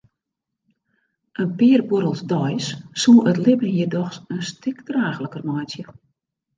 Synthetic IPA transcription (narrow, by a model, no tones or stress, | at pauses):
ʔənpɪərboɾəlˠzdɔjsːuəʔətlɪbnəɦjidɔxsənstʰɪkdraːxləkərmɔjtjə